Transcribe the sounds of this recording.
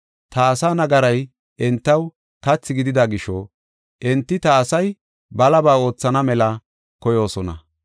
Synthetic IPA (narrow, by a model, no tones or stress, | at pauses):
t̪ɐːsaːnɐɡɐɾɐj | ʔɛnt̪ːɐw | kɐt͡sːɪɡɪd̪ɪd̪ɐɡɪʃɔ | ʔɛnt̪ːɪt̪ɐːsɐj | bɐlɐbaːo̞ːt͡sːɐnɐmɛlɐ | kɔjo̞ːsɔnɐ̰